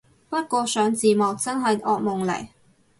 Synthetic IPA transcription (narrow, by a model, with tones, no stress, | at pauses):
pɐ˥t̚kʷɔː˧sœː˨˥ŋt͡siː˨mɐ˨˩w̚t͡sɐ˥nɦɐ˨jʔɔː˨˧k̚mʊ˨ŋlɐ̰˨˩j